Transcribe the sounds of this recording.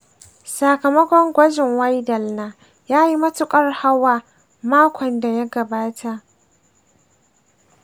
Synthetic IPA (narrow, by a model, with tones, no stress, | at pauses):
sa˨kɐ˨mɐ˦kʷɔ˦ŋɡʷɐ˦d͡ʒɪ˨ŋwa˦jdɐ˨lnaː˦ | jaː˦ji˦mɐ˦tʊ˨kʼɐ˦rha˦waː˨ | maː˦kʷɔ˨nda˨ja˦ɡɐ˨baː˦tʰa˨ʔ